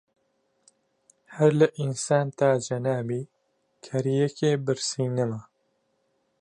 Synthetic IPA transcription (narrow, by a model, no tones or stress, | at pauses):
hɛɾlɨʔinsaːnt̪aːd͡ʒɐnaːbiː | kʰɐɾijɛkeːbɨɾsiːnɨmɐ